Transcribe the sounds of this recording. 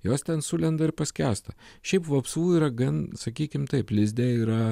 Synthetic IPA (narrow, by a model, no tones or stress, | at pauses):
joːst̪ʲɛnsʊlʲɛnd̪ɐɪɾpɐsʲkʲæːst̪ɐʃʲɛɪpʋɐpsuːiːɾɐɡɐnsɐkʲiːkʲɪmt̪ɐɪplʲɪzʲd̪ʲeːiːɾɐ